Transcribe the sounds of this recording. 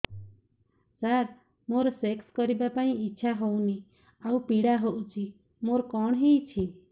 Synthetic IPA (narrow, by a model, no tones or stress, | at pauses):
saɾ | moɾsekskɔɾibapaĩiːt͡ʃʃʰaɦowni | awpiɽaɦoʔut͡ʃʰi | moɾkɔɳ̃ɦĩjt͡ʃʰi